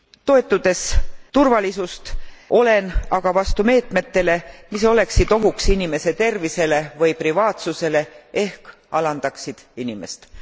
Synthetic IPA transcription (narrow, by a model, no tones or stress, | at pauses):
t̪o̞e̞t̪ːˑud̪̥e̞st̪urvɑlisust̪ʔo̞le̞nɑɡ̥ɑvɑst̪ume̞ːt̪me̞t̪ːe̞le̞miso̞le̞ksid̪̥o̞ɦuksinime̞se̞t̪e̞rvise̞le̞vɤjprivɑːt̪suse̞le̞e̞hk | ɑlɑnd̪̥ɑksid̪̥inime̞̰st̪